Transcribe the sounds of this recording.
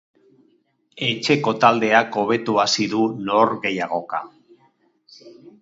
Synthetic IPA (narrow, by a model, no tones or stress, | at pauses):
e̞t͡ʃe̞ko̞t̪ald̪e̞ako̞β̞e̞t̪uasiðuno̞ɾɡe̞jaɣ̞o̞ka̰